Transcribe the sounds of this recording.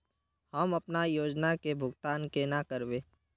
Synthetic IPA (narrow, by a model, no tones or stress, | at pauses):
həmɐpnajoːd͡ʒnakebʱʊɡt̪aːnkenakəɾbeː